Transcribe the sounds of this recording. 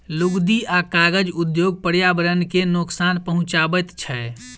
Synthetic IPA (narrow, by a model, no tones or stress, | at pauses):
luɡd̪iʔakaɡəd͡ʒud̪joɡ̚pəɾjabəɾənkenoksanpəɦʊ̃t͡ʃabət̪t͡ʃʰɛ